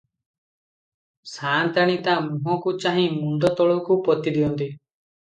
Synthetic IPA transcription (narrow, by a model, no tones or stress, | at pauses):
saːnt̪aɽ̃ĩt̪amũɦɔ̃kut͡ʃaɦĩmund̪ɔt̪ɔɭɔwkupɔt̪id̪iɔnt̪i